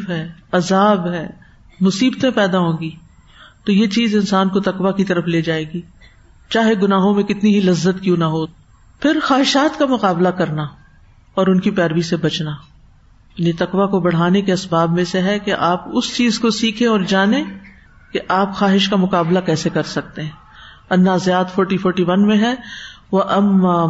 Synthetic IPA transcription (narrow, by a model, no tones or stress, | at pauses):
fɦɛːɐzaːbɦɛː | mʊsiːbt̪ẽpɛːd̪aɦõːɡiː | t̪ojet͡ʃiːzɪ̃nsaːnkot̪ɐqʋakit̪ɐɾəfleːd͡ʒaːeːɡiː | t͡ʃaːɦeɡʊnaːɦõmẽkɪt̪niɦilɐzːət̪kjũːnaɦoː | pʰɪɾxaːɦɪʃaːt̪kamʊqaːblakɐɾna | ɔːɾʊnkipɛːɾʋisebɐt͡ʃnaː | jaːnit̪ɐqʋakobɐɽ̤aːnekeɐsbaːbmẽseɦɛkeʔaːpʊst͡ʃiːzkosiːkʰẽɔːɾd͡ʒaːnẽ | keʔaːpxaːɦɪʃkamʊqaːblakɛːsekɐɾsɐk̚t̪eɦɛ̃ | ɐnːazjaːt̪fɔːɾʈifʰɔːɾʈiʋɐnmẽɦɛʋɐʔɐmːa